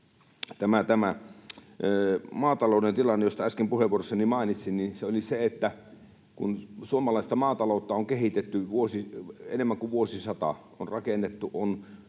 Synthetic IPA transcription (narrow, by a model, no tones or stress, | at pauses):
t̪æmæt̪æmæ | mɑːt̪ɑloˑunent̪ilɑnːejost̪ɑæskempuheʋˑuorosːɑnimɑˑenit̪sinninseoliseet̪ːæ | kunsuomɑlɑˑist̪ɑmɑːt̪ɑloˑut̪ːɑoŋkehit̪et̪ːyʋuosiḛnemːæŋkuʋuosisɑt̪ɑ̰ | onrɑkenːet̪ːuʔon